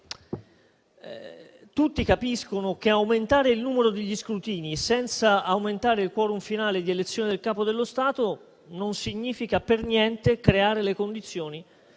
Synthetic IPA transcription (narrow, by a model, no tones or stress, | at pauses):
t̪ut̪ːikapiskonok̟eawment̪aːɾeilnuːmeɾod̪eʎːiskɾut̪iːnisɛnt̪saawment̪aːɾeilkwɔːɾumfinaːled̪ielet̪sːjoːned̪elkaːpod̪elːost̪aːt̪o | nonsiɲːiːfikapernjɛnt̪ekɾeaːɾelekond̪it̪sːjoːni